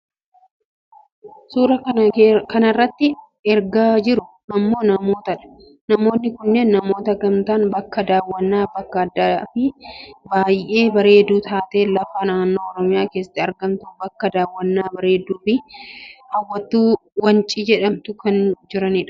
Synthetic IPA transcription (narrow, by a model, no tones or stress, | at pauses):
suːɾɐkɐnɐrːɐt̪ːɪ | ɛɾɡaːd͡ʒɪɾʊ | ɐmːo̞ːnɐmo̞ːt̪ɐᶑɐ̥ | nɐmo̞ːnːɪkʊnːeːnːɐmo̞ːt̪ɐɾɡɐmt̪aːnbɐkːɐd̪aːwːɐnːaːbɐkːɐɐd̪ːafɪbaːjʔe̞ːbɐɾe̞ːd̪ːuːt̪ʰaːt̪eːlɐfaːnaːnːo̞ːɔɾɔmɪjaːke̞ːsɐ̥t̪ːɪɐɾɡɐmt̪ʊbɐkːɐd̪aːwːɐnːaːbɐɾe̞ːd̪ːuːfɪhɐwːɐt̪ːuːwɐnt͡ʃʼiːd͡ʒɛᶑɐmt̪ʊkɐnd͡ʒɪɾɐnɪᶑɐ̥